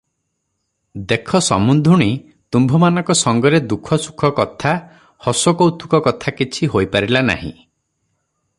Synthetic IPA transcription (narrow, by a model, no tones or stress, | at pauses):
d̪ekʰɔsɔ̰mund̪ʱuɽ̃i | t̪umbʱɔmanɔ̃ŋkɔsɔŋɡɔɾed̪ukʰɔsu̥kʰɔkɔt̪ʰa | hɔsɔkowt̪ʰu̥kɔkɔt̪ʰakit͡ʃʰiɦojpaɾilana̰ɦḭ̃